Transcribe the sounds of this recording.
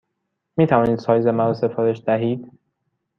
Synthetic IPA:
miːt̪ʰævɒːniːd̪sɒːjze̞mænɾose̞fɒːɾe̞ʃd̪æɦiːd̪

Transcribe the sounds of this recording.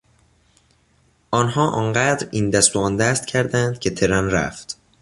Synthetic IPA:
ʔɒːnɦɒːʔɒːnɢæːd̪ɾiːnd̪æst̪oɒːnd̪æst̪̚cʰæɾd̪ænd̪̥cʰe̞t̪ʰe̞ɾænɾæ̰ft̪

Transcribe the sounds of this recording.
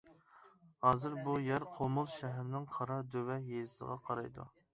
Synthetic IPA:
hɑːzɨɾbujæɾqʰomʊlˠʃɛɦɾnɪŋqʰɑɾɑd̪øwɛjezɪsə̰ʁɑqʰɑɾɑ̰jd̪ṵ

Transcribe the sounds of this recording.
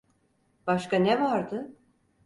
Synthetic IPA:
b̥aʃkanɛvaɾd̪ɯ

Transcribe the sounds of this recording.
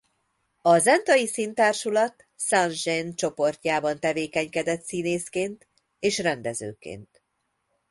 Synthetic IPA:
ɒzɛnt̪ɒjisint̪aːrʃulɒt̪ | sanʒɛnt͡ʃo̞po̞rt̪ʲaːbɒnt̪ɛveːkɛɲkɛd̪ɛt̪sineːskeːnt̪ | eːʃrɛnd̪ɛzø̰ːkḛːnt̪

